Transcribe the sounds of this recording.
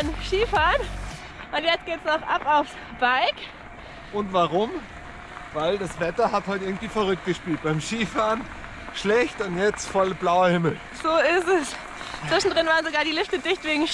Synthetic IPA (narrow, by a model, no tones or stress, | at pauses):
amʃiːfaːɐn | ʔʊntjɛt͡stɡ̥eːtsnɔχʔapaʊfs | b̥aɪk | ʔʊntv̥aʁʊm | vaɪldasv̥ɛtɐhathaltɪɐɡŋ̩tv̥iːfɐʁʏk̚t̚ɡ̥əʃpiːlt̚b̥aɪmʃiːfaːʁn | ʃlɛçtʊntjɛt͡stfɔlblaʊɐhɪml̩ | z̥oːɪstɛs | t͡sv̥ɪʃn̩dʁɪnvaːʁənzoɡaːɐdiːlɪftədɪçtv̥eːɡŋ̩